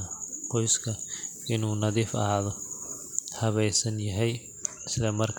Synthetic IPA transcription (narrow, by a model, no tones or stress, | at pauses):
qɔjskʰɐ | ɪnuːnɐðiːfɐ̰ɦaːðɔ | hɐβɛjsɐnjɐɦɛj | ɪslɐmɐrkʰ